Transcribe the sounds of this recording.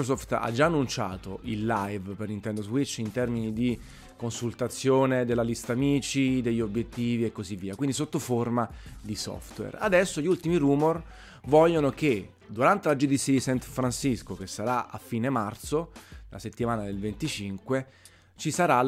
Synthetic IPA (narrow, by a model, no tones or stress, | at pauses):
ɾosɔft̪a̰d͡ʒːaːnːunt͡ʃa̰ːt̪o̰ʔilːajvpernint̪ɛnd̪ozwit͡ʃːint̪ɛrminid̪i | konsult̪at̪sːjoːned̪elːalist̪aːmiːt͡ʃid̪eʎːobːjet̪ːiːviekːozivːiːakwind̪isot̪ːoformad̪isɔ̰ft̪wḛra̰d̪ɛsːoʎiult̪imiɾuːmor | vɔʎːonoke | d̪uɾant̪elad͡ʒud̪it̪sːiad̪isant̪fɾansiskok̟esːaɾaa̰fːiːnemart̪solʔa̰set̪ːimaːnad̪elvent̪it͡ʃiŋkwe | t͡ʃisaɾa